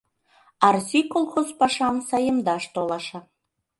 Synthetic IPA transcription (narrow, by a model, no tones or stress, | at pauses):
ɑrsʲikolˠxozpɑʃɑmsɑjə̆md̪ɑʃt̪olˠɑʃɑ